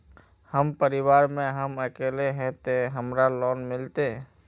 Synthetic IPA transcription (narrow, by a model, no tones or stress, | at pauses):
həmpəɾɪwaːɾmẽɦəməkeːleɦɛ̃t̪eɦəmɾalɔːnmɪlt̪e